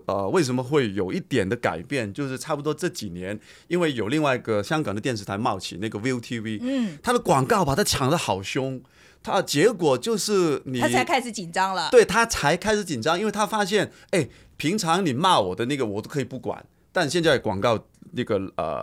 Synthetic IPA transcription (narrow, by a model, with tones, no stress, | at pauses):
ə˧we˥˩ɪʂ̬ə˧˥mə˧xwe˥˩ɪjo˨˩ʊi˥˩t̪jɛ˨˩nd̪ə˦ka̰˨˩ɪpjɛ˥˩nt͡ɕjo˥˧ʊʂɻ̩˥˧ʈ͡ʂʰa˥˩pu˩t̪wɔ˥ʈ͡ʂɤ˥˩t͡ɕi˨˩njɛ˧˥n | i˥nwe˥˩ɪjo˨˩ʊli˥˧ŋwa˥˧ɪi˧˥ɡə˨ɕjɑ˥ŋkɑ˨˩ŋd̪ə˦t̪jɛ˥˧nʂ̬̩ʰ˥˩a˧˥ɪmɑ˥˩ʊt͡ɕʰḭ˨˩na˥˩ɡə˩wi˥ʊt̪ʰi˥wi˥t̪ʰa˥d̪ə˨kwɑ˨˩ŋkɑ˥˩ʊpa˨˩t̪ʰa˥t͡ɕʰjɑ˨˩ŋd̪ə˦xɑ˨˩ʊɕjʊ˥ŋ | t̪ʰa˥t͡ɕjɛ˧˥kwɔ˨˩t͡ɕjo˥˧ʊʂɻ̩˥˩ni˨˩a˥t͡sʰa˧˥ɪkʰa˥ɪʂ̩˧˥t͡ɕi˨˩nʈ͡ʂɑ˥ŋlə˨twe˥˩ɪt̪ʰa˥t͡sʰa˧˥ɪkʰa˥ɪʂɻ̩˧˥t͡ɕi˨˩nʈ͡ʂɑ˥˧ŋi˥nwe˥˩ɪt̪ʰa˥fa˥ɕ̬jɛ˥˩n | e˥˩ɪ | pʰi˧˥ŋʈ͡ʂʰɑ˧˥ŋni˨˩mɑ˥˩wɔ˨˩d̪ə˦na˥˩ɡə˩wɔ˨˩t̪o˥ʊkʰɤ˧˥i˨˩pu˥˩kwa̰˨˩˦n | t̪a˥˧nɕjɛ˥˧nt͡skwɑ̰˨˩ŋkɑ˥˩ʊ | na˥˩ɡə˩ə̰˨˩